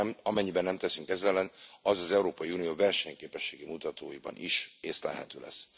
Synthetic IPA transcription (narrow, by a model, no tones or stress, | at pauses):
mɒmɛɲːibɛnːɛmt̪ɛsyŋkɛzɛlːɛnɒzɒzɛuɾoːpɒjiuːnijoːvɛrʃɛɲkeːpɛʃːeːɡimut̪ɒt̪oːjibɒ̰nʔḭʃeːst̪lɛ̰ɦɛ̰t̪ø̰ːlɛ̰s